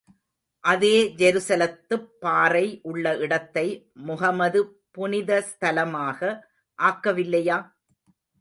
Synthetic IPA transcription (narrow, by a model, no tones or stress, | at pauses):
ʔɐðeːd͡ʒɛɾɯsɐlɐt̪ːɯpːaːɾɐɪʔʊɭːɐʔɪɽɐt̪ːɐɪ | mʊɦɐmɐðɯ | pʊnɪðɐst̪ɐlɐmaːɣɐ | ʔaːkːɐʋɪlːɐjaː